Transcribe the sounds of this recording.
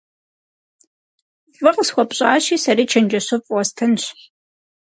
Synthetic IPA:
vɨqəsxʷɔpʼɕʼɑːɕiːsɐɾiːt͡ʃʰɐnd͡ʒɐɕɨfʼʷɔstʰɐnɕ

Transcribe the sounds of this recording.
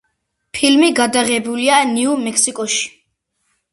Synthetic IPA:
pʰilmiɡad̪aʁɛbulianiumɛkʰsikʼɔʃi̥

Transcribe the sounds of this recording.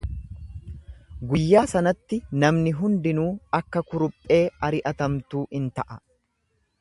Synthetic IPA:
ɡʊjːaːsɐnɐt̪ːɪnɐmnɪɦʊnd̪ɪnuːɐkːɐkʊɾʊpʼːe̞ːɐɾɪʔɐt̪ɐmt̪uːɪnt̪ɐʔɐ

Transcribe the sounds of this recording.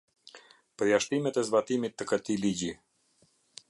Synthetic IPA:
pəɾjaʃt̪imɛt̪ɛzbat̪imit̪ːəkət̪iliɟi

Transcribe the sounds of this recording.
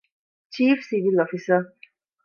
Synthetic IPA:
t͡ʃʰiːfsivilɔfisə

